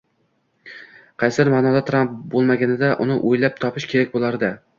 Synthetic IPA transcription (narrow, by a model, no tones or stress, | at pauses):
qʰɑjsɾmaːnɒd̪at̪ʰɾamp̚bolˠmaɡʲanɪd̪aʔʊnɪʔojlap̚t̪ʰɒpɪʃkʲʰe̞ɾak̚ʲbolˠaɾd̪ɪ